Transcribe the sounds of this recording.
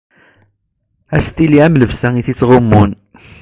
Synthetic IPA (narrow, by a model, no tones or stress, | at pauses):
æst̪iliæmləvsæŋiθit͡sːʁʊmːun